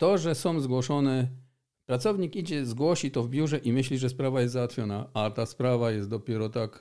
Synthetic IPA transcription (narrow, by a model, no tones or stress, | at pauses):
t̪ɔʐɛsɔ̃w̃zɡwɔʂɔnɛ | pɾat̪sɔvɲikid͡ʑɛzɡwɔɕit̪ɔvbʲjuʐɛʔimɘɕlʲiʐɛspɾavajɛs̬zawat̪fʲjɔnaat̪aspɾavajɛst̪d̪ɔpʲjɛɾɔt̪ak